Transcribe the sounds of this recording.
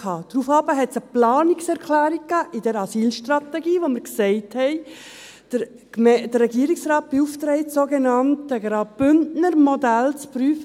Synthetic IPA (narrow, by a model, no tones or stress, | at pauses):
ɑːd̥ɾuːfɑbəɦɛtsəplɑːniksɛɾkʰlæːɾik̚kːæːʔid̥ɛɾɑsiːlʃtrɑt̪ɛɡiːʋomɪɾksɛɪthɛɪ | d̥ə | d̥ərɛɡiəɾiksrɑːt̚b̥iuftɾɛɪtsoɡenɑntəɡɾɑb̥ʏntnəɾmɔdælt͡spryːf